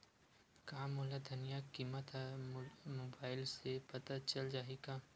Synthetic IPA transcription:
kaːmʊlad̪ʱɐnijakiːmət̪ɦɛmoːbaːɪlsepɐt̪at͡ʃɐld͡ʒaːeɡaː

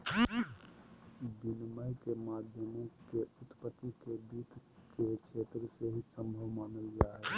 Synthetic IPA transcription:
b̪inməjkemaːd̪ʱjəmõkeut̪pət̪ːikebiːt̪ket͡ʃʰeːt̪ɾəseɦisə̃mbʱəʋmaːnəld͡ʒaɦɛ

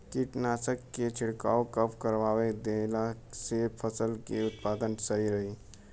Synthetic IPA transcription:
kiʈnasəkːet͡ʃʰiɽkaokəpkəɾʋawed̪elasepʰəsəlkeut̪̚pad̪ənsəɦiɾəɦi

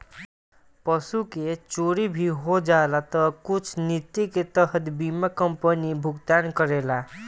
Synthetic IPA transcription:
pəsuket͡ʃoɾibʱiɦod͡ʒaelat̪ʌkut͡ʃʰnit̪iket̪əɦət̪bimakəmpənibʱuɡt̪ankəɾela

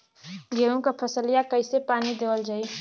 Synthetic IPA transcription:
ɡeɾõkapʰəsəlijakəɪsepaːnid̪eːʋəld͡ʒaːi

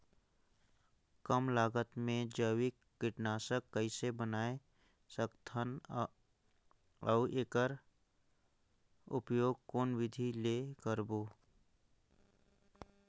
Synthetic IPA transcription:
kəmlaːɡət̪mẽd͡ʒəwɪkːɪʈnaːsəkːəɪsebənaːe | səkt̪ʰən | əʔeːkəɾ | ʊpjoːɡ̚koːnwɪd̪ʱilekəɾboː

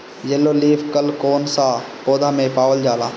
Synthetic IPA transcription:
d͡ʒelːoːliːfʰkəlkoːnsaːpoːd̪ʱaːmẽpaːʋəld͡ʒaːlaː

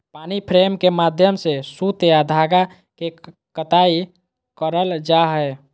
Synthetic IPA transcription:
panipʰɾemkemad̪ʱjəmsesut̪ead̪ʱaɡa | ke | kət̪ai | kəɾəld͡ʒaɦə

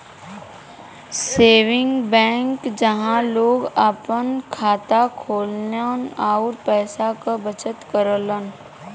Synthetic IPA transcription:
seːʋɪ̃ŋɡbɛ̃ːŋkd͡ʒəɦãloːɡaːpənkʰaːt̪akʰoːlnanaːʊɾpɛːsakabət͡ʃət̪kəɾələn

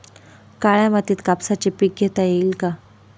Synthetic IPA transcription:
kaɭjamat̪iːt̪kapsat͡ɕepik̚ɡet̪ajeilka

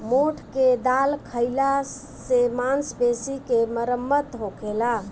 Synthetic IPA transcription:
moʈʰked̪alkʰəɪla | semansbesikeməɾəmːət̪ɦokela

